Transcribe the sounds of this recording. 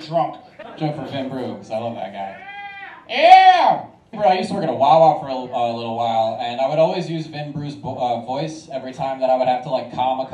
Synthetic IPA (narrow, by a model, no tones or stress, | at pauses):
dɹʌ̃ŋk | d̥ʌ̃ŋkfə˞vɪ̃nbɹʉsoaɪlʌvðɨ̰t̚ɡ̥aɪ̥ | jæ | bɹʉaɪjʉstəwə˞ɡʌ̃nəwaɪlˠaʊtfə˞əʌlɪɾl̩ˠwaɪlˠɨ̃naɪwəɾɔlˠwizjʉzvɪ̃nbɹʉzʌvɔɪsɛvɹitʰãɪ̃mðəɾaɪwəd̚hæftʰəlaɪkʰːɑ̃məkʰ